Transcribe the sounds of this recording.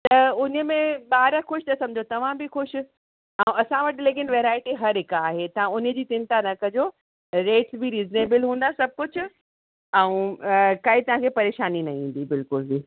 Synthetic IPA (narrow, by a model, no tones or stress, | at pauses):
t̪ɐʊnə̆mẽɓaːɾəxʊʃt̪ɐsɐ̃md͡ʑʱot̪ɐʋ̤ãbɪxʊʃ | ɛ̃ũɐsãʋɐʈɪleːkɪnʋeːɾaːɪʈiɦɐɾɦɪkaːɦet̪ɐʋ̤ãʊnd͡ʑiːt̪ɪ̃nt̪anɐkɐd͡ʑo | ɾeːʈsbʱiɾiːzneːbəlɦũːn̆d̪asɐb̚ʱkʊt͡ɕʰʊ̆ | ɛ̃ũkɐit̪ɐʋ̤ãkʰepɐɾeːʃaːninɐɦĩːn̆d̪ibɪlkʊlbi